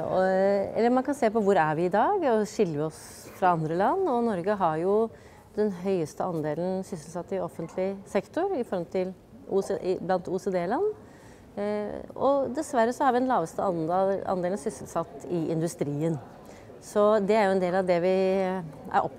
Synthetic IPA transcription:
ɔɛ̰lːəɾmɑnkɑnseːpɔʋʊɾæɾʋɪɪd̪ɑːɡɔʂɪlːəɔs | fɾɑɑnd̪ɾəlɑnːɔnɔɾɡəɦɑɾjʊ | d̪ɛnɦœʏəst̪əɑnd̪eːlənsʏsəlsɑt̪ːɪɔfːənt̪ʰlɪsɛkt̪ʊɾɪfɔɾhɔmt̪ʰɪl | ṵblɑnt̪used̪eːlɑnː | ɔ̰d̪ɛsʋæɾːəsɔhɑɾʋɪd̪ɛnlɑːʋəst̪əɑnɑ̰nd̪eːlənsʏsəlsɑt̪ːɪʔɪnd̪ʉst̪ɾiːən | sɔd̪ɛæɾjʊɛnd̪eːlɑʋd̪ɛʋɪ | ʔæ̰ɾʔɔ̰pː

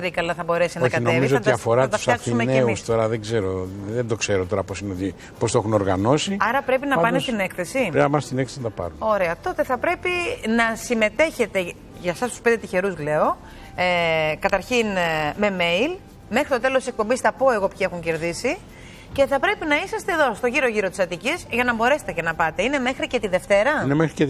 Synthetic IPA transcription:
ɾikɐlɐθɐbo̞ɾe̞sinɐoçkɐtnoevmizoɐɐt̪iɐfo̞ɾɐɐɐt̪ɐfsɐksumeneeuist̪o̞ɾɐðeɡze̞ɾoðend̪o̞kse̞ɾot̪o̞ɾɐposineot̪i | post̪oexuno̞ɾɣɐno̞siɐɾɐpɾe̞pinɐɐnnest̪ine̞kθe̞siɐmɐst̪inekθesnɐt̪ɐpɐ̰ɾuno̞ɾe̞ɐt̪o̞t̪e̞θɐpɾe̞pinɐsime̞t̪e̞çe̞t̪e̞ | ʝɐsɐst̪uspnd̪et̪içe̞ɾuzle̞o̞ | ekɐt̪ɐɾçinme̞me̞il | me̞xɾit̪o̞t̪e̞lost̪isek̚po̞mbisθɐpo̞e̞ɣo̞pçie̞xuɲce̞ɾðisi | ce̞θɐpɾe̞pinɐisɐst̪e̞ːðo̞st̪o̞ʝiɾo̞ʝiɾo̞t̪i̥sɐt̪icizʝɐnɐmbo̞ɾe̞set̪ecenɐpɐt̪e̞ine̞me̞xɾice̞t̪iðe̞ft̪e̞ɾɐinemexɾice

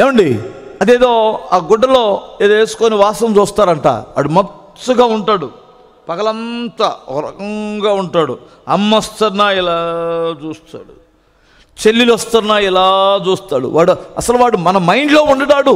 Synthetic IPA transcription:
eːʋɐɳɖiɐd̪eːd̪o̞ːaːɡɔɖːɐlo̞ːeːd̪oe̞ːsu̥koːniʋaːsɐmt͡ʃuːst̪aːɾɐɳʈa̰ːʋa̰ːɽumɐ | suɡaːuɳʈaːɽu | pɐkɐlɐnt̪aːɔ̰ɾɐ̰kɐŋɡaːuɳʈaːɽṵ | ɐmːɐst̪ɐɾnːaːɛlaːt͡ʃuːst̪a̰ːɽu | t͡ʃelːilɐst̪ɐnːaːɛlaːt͡ʃuːst̪aːɽṵʋaːɽuɐ̰sɐluʋaːɽumɐnɐmɐjɳɖloːuɳɖɐʈaːɽu

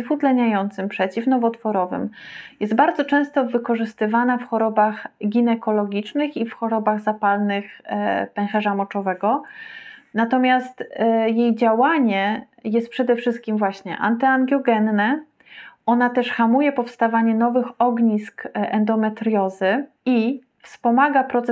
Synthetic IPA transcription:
fut̪lɛɲajɔnt̪sɘmpʂɛt͡ɕifnɔvɔt̪fɔɾɔvɘ̰mjɛst̪baɾd̪zɔt͡ʂɛ̃w̃st̪ɔvɘkɔʐɘst̪ɘvanafxɔɾɔbaxɡʲinɛkɔlɔɡʲit͡ʂnɘxifxɔɾɔbaɣzapalnɘxpɛŋ̃xɛʐamɔt͡ʂɔvɛɡɔ | nat̪ɔmʲjast̪jejd͡ʑawaɲɛ | jɛst̪̚pʂɛd̪ɛfʂɘst̪̚kʲimvwaɕɲɛ̰ʔa̰nt̪ɛaŋɡʲjɔɡɛnːɛ | ɔnat̪ɛʂxamujɛpɔfst̪avaɲɛnɔvɘxɔɡɲiskɛnd̪ɔmɛt̪ɾjɔzɘ | i | fspɔmaɡapɾɔt̪s

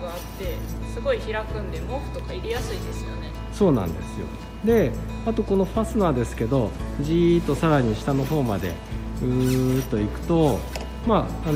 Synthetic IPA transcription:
ɡaat̪ːe̞sɨɡo̞içiɾakɯ̟̃nd̪e̞moɸɯ̟̥t̪o̞kaiɾejasɨid̪e̞sɨjone̞ | so̞ːnã̰nd̪e̞̰sɨjo̞̰ | d̪e̞ | at̪o̞ko̞no̞ɸasɨnaːd̪e̞sɨ̥ke̞d̪o̞ʑit̪o̞saɾaɲ̟iɕi̥t̪ano̞ɦo̞ːmad̪e̞̰ | ɯ̟ːt̪o̞ikɯ̟̥t̪o̞ | maː

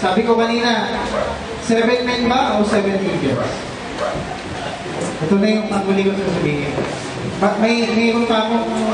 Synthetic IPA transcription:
saːbɪkokɐniːnɐ | sɛːvɛnpɛnbaʔowsɛvɛnt̪ind͡ʒɛɹs | ʔɛt̪onɐjʊŋt̪ɐŋʊliːɡot̪skɐsɐbiːɦɪn | bɐt̪̚mɐmɐikʊnt̪aːmo

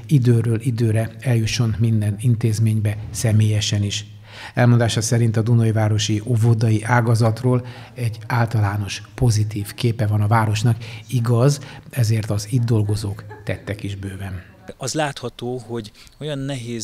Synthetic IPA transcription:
id̪øːɾøːlʔid̪øːɾɛɛljuʃːo̞nmind̪ɛnint̪eːzmeːɲbɛsɛmeːjɛʃɛniʃ | ɛlmond̪aːʃɒsɛɾint̪ɒd̪unojivaːɾo̞ʃiʔovod̪ɒjiʔaːɡɒzɒt̪roːlɛɟːaːlt̪ɒlaːno̞ʃpo̞zit̪iːfkeːpɛvɒnɒvaːɾo̞ʃnɒkiɡɒzɛzeːrt̪ɒziːd̪ːo̞lɡo̞zoːkt̪ɛt̪ːɛkiʒbøːvɛn | ɒzlaːt̪hɒt̪oːho̞ɟ | o̞jɒnːɛɦeːz

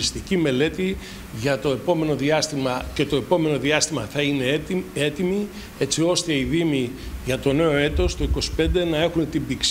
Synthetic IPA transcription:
ist̪icime̞le̞t̪i | ʝɐt̪o̞e̞po̞me̞no̞ðiɐst̪imɐce̞t̪o̞e̞po̞me̞no̞ðiɐst̪imɐθɐine̞et̪imi | e̞t͡sio̞st̪e̞iðimiʝɐt̪o̞ne̞o̞e̞t̪o̞st̪o̞iko̞si̥pe̞nd̪e̞nɐe̞xunet̪imbiks

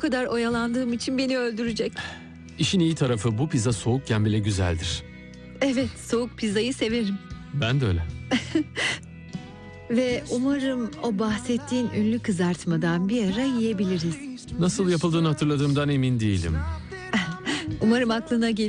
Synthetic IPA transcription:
kʰad̪aɾo̞jalˠand̪ɯːmit͡ʃʰinbe̞niø̞lʲd̪yɾyd͡ʒɛc | iʃinijit̪ʰaɾafɯbupizaso̞uk̚cʰænbilʲɛɟyzæ̰lʲd̪iɾ̝̥ | ɛvɛt̪so̞uk̚pʰizajɯse̞ve̞ɾimbændø̰ːlʲɛ | vɛumaɾɯmo̞baxsɛt̪ʰːiːnynlʲykʰɯzaɾt̪mad̪anbiaɾajije̞bilʲiɾiz̥nasɯlˠjapɯlˠd̪ɯːnhat̪ʰɯɾlˠad̪ɯːmd̪ane̞mind̪ejilʲḭm | umaɾɯmaklˠɯnaɟe

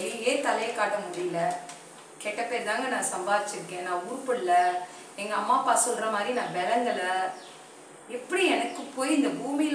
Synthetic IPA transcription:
ɛŋɡeːt̪ɐlɐjɐkːaːʈːɐmʊɽɪjɪlɐ | keːʈːɐpːeːɾt̪ãːŋɡɐnãːsɐmbaːðɪt͡ʃːɪɾɯkːẽːnãːuːɾpɐɽɯlɐ | ɛŋɡɐɐmːaːpaːsɔlːɾɐmaːd̪ɾinãːʋɛlɐnd̪ɐlɐ | ɛpːɐɽiɛnɐkːɯpːoːjɪnd̪ɐbuːmijɪl

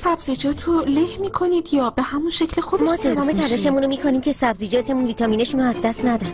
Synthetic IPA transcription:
sæbzid͡ʒɒːt̪ʰolehmiːkʰo̞niːd̪jɒːbe̞hæmunʃecʰlexod̪mɒːt̪ʰemɒːme̞t̪ʰælɔʃe̞munɾomiːkʰoniːmcʰe̞sæbzid͡ʒɒːt̪ʰe̞munviːt̪ʰɒːmiːne̞ʃunɾoæzd̪æst̪næd̪ɒnn̥

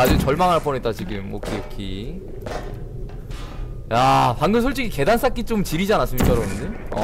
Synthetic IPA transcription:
ad͡ʑut͡ɕʌɭmaŋɦaɭp͈ʰʌnet͈̚at͡ɕiɡɯmo̰kʰijokʰi | japaŋɡɯnsʰoɭt͡ɕ͈iɡike̞dans͈ak͈it͡ɕ͈omt͡ɕiɾid͡ʑianas͈ɯmɲikt͡ɕ͈ʌɾʌmɯndeʌ̰

